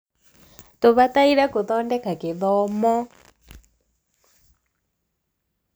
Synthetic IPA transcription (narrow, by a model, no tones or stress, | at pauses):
tuβataiɺakuðɔndɛkakɪðɔmɔ